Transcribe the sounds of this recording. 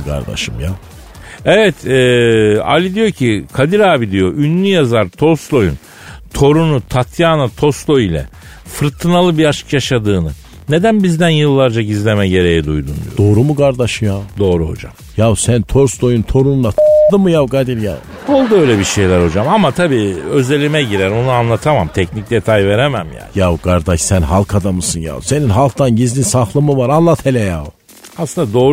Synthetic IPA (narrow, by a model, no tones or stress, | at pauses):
kʰa̰ɾd̪a̰ʃɯmja | evɛt̪ʰɛːa̰lʲid̪ijo̞cʰikʰad̪iɾaːbid̪ijoʔynːʲyjazaɾt̪ʰo̞slˠo̞jṵn | t̪ʰo̞ɾunut̪ʰat̪ʰjaːnat̪ʰo̞slˠo̞ilʲɛ̰ | fɯɾt̪ʰːɯnalˠɯbiat͡ʃɯ̥kjaʃad̪ɯːnɯ | ne̞d̪ænbizd̪ænjɯlˠːaɾd͡ʒaɟizlʲe̞mɛɟe̞ɾe̞jɛd̪ujd̪und̪ḭjo̰d̪o̞ːɾumukʰaɾd̪aʃɯmjad̪o̞ːɾuho̞̰d͡ʒa̰m | javsænt̪ʰo̞ɾsd̪o̞junt̪ʰo̞ɾunuat̪ʰɯ̥d̪ɯmɯjavɡad̪iɾja̰v | olˠd̪uøjlʲɛbiʃe̞jlʲæɾho̞d͡ʒamamat̪ʰabiːø̞ze̞lʲimɛɟiɾæɾonuanlˠat̪ʰamamt̪ʰɛcnic̚d̪e̞t̪ʰajve̞ɾemæmja̰ːnjavɡaɾd̪aʃsænɦalˠkʰad̪amɯsɯnja̰wse̞ninɦalˠk̚t̪anɟizd̪insahlˠamɯvaɾanlˠat̪ʰelʲɛja̰w | aslɯnd̪ad̪oːɾ